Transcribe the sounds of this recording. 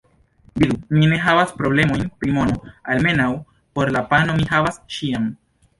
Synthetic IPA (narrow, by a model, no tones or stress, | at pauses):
bid̪umine̞ɦavaspɾoble̞mo̞jnpɾimo̞no̞alme̞naw | po̞ɾlapano̞mihavasʃiam